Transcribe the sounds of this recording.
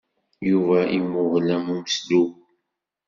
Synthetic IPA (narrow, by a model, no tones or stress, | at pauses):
juvæʔimʊʁlæmuməslu